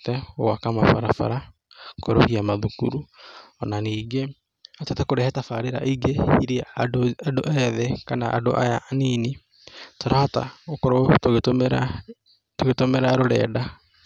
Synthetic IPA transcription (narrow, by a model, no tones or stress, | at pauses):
tɛowakamafaɾafa̰ɾa | koɾo̰hiamaðukuɾuɔnaniːɡe | atotakoɾɛhɛtafaɾeɾa̰ʔiɡehiɾiaadoʔɛðɛkanaʔa̰do̰ʔa̰janiːni | toɾahata̰okoɾotoɣetomɾa | toɣetomeɾaɾoɾɛ̰ːda